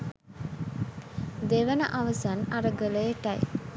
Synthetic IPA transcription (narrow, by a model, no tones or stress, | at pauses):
d̪eʋənə̰ʔɐʋəsanɐɾəɡələʈɐj